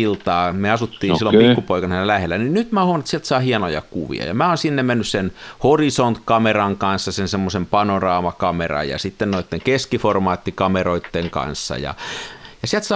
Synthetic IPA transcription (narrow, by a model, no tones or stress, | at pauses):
ilt̪ɑːmeɑsut̪ːiːsilːomppikːupoikɑnhænelæhelːæninnyt̪mæːhuoʋɑnet̪siælt̪sɑːhiɑnojɑ̰kṵʋḭɑ̰jɑ̰mæːoːnsinːemmenːyssenhorisont̪kɑmerɑŋkɑnsːɑsensemːosempɑnorɑːmɑkɑmerɑ̰jɑ̰sit̪ːennoit̪ːeŋkeskiformɑːt̪ːikɑmeroit̪ːeŋkɑ̰nsːɑ̰jɑ̰jɑsiælt̪sɑ